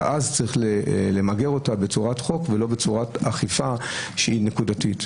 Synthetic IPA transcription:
ʔazt͡saʁiχlelemaɡe̞ʁo̞tabet͡suʁatχo̞kvelo̞bet͡suʁataχifaʃehinekudatit

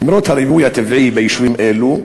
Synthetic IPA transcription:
imɾot̪haɾivujat̪eviibejiʃvimʔelu

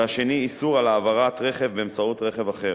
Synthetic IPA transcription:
aʃe̞niːsuʁalaːvaʁat̪ʁe̞χe̞vbeːmt͡sautʁe̞χevaχe̞

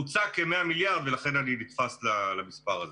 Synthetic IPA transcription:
ut͡sake̞me̞amiljaʁd̪velaχe̞naninit̪faslalamispaʁaze

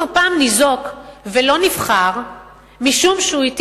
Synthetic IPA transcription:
ʁpaːmnizo̞kvelo̞nifχaʁ | miʃumʃeuit

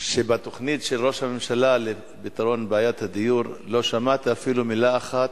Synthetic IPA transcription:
ʃebat̪o̞χnid̪ʃelʁo̞ʃhamemʃalale | bit̪aʁo̞nbeajat̪had̪ijuʁlo̞ʃamat̪iafilumilaːχat̪

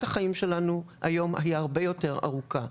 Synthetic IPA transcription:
taχaimʃe̞lanuha̰jo̞ma̰jaaʁbe̞jo̞te̞ʁa̰ʁuka

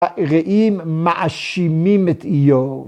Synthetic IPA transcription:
ʁeʔimːaʔaʃimimɛt̪ijo

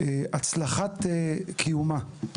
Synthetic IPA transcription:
eʔat͡slaχatekʰijuma

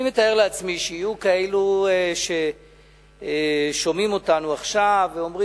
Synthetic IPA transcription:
ime̞t̪ae̞ʁleat͡smiʃijijukaeluʃe̞ | ʃo̞mimo̞tanuaχʃaveomʁi

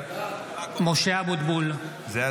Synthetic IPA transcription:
moʃeabud̪bul | ze

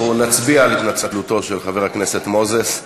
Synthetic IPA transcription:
unat͡sbialit̪nat͡satluto̞ʃelχaveʁakne̞setmo̞zes

